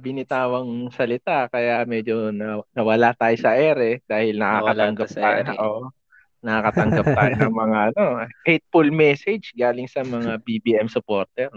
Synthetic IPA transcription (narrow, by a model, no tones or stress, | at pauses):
bɪnɪt̪aːwɐŋsɐlɪt̪akɐjamɛd͡ʒonɐnɐwɐlat̪aːjosɐʔɛːɾɛd̪aːhɪlnɐkakɐɐŋɡɐajʔo | nɐkakɐt̪ɐŋɡɐp̚t̪aːjonɐŋmɐŋaʔɐno̞hɛjt̪̚fʊlmɛsɛd͡ʒɡaːlɪŋsɐmɐŋabibiːʔɛmsʊpoːɾt̪ɛɾ